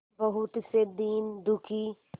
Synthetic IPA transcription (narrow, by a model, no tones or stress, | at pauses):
bəɦʊt̪sed̪iːnd̪ukʰiː